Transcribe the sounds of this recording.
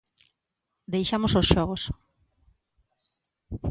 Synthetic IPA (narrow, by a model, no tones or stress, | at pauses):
d̪ejʃamososʃɔɣos